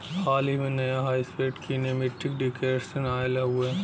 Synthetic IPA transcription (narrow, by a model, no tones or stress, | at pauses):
haːlɦimẽnɐjaɦaːispeːʈkineːmɪʈːɪk̚ɖɪkeːɖsenaːelaɦʊeː